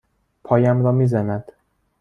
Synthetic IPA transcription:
pʰɒːjæmɾɒːmiːzænæd̪̥

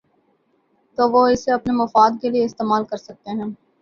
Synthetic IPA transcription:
t̪oːʋoɪseɐpnemɐfaːd̪kelieɪst̪eːmaːlkɐɾsɐk̚t̪eɦɛ̃ː

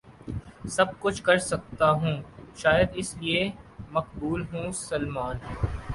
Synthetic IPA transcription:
sɐb̚kʊt͡ʃʰkɐɾsɐk̚t̪aɦũːʃaːjəd̪ɪsliemɐqbuːlɦũːsɐlmaːn

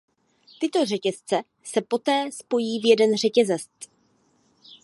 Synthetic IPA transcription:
t̪ɪt̪o̞r̝ɛcɛst͡sɛ | sɛpo̞t̪ɛːspo̞jiːvjɛdɛnr̝ɛcɛzɛst̪

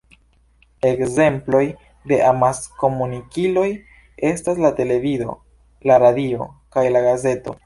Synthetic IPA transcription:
e̞kze̞mplo̞j | de̞ʔamasko̞munikilo̞j | e̞stas̬late̞le̞vizo̞̰ | laɾadio̞̰kajlaɡaze̞to̞̰

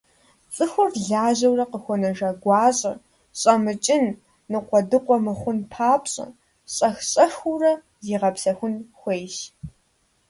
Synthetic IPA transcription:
t͡sʼɨxʷʊrɮaːʑɐwrɐqəxʷɔnɐʒɐɡʷɑːɕʼɐ̰ | ɕʼɐmɨt͡ʃʼɪn | nɨqʷɔdɨqʷʼɔmɨχʷʊnpʰaːpɕʼɐ̰ | ɕʼɐxɕʼɐxurɐ | ziːʁɐpsɐxʷʊnxʷejʃ

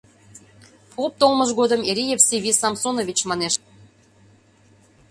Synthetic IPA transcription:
pup̚t̪olˠməʒɣod̪əmeɾʲijefseβʲisɑmsonovʲit͡ɕmɑneʃ

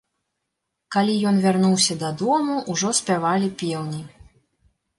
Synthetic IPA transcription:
kalʲijɔnvʲarnuwsʲɐd̪ɐd̪ɔmuʔuʐɔsʲpʲavalʲipʲɛwnʲi

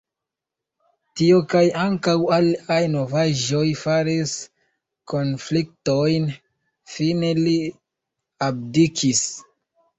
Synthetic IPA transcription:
tio̞kajaŋkawaliajno̞vaʒo̞jfaɾis | ko̞nflik̚tojn | fine̞li | ab̚dikʰis

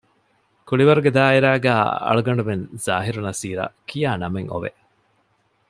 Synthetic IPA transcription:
kuɭiʋɐɾuɡed̪aːiɾæːɡæ̰ːɐ̰ɭuɡɐɳɖumenz̥a̰ːɦiɾunɐsiːɾɐ̰kʰijaːnɐmeŋo̰ʋḛ

